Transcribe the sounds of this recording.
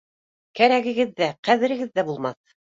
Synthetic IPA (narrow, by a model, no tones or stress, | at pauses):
kæɾæɡɘ̆ɡɘðːæqæðɘ̆ɾɘ̆ɡɘðːæbulˠmɑθ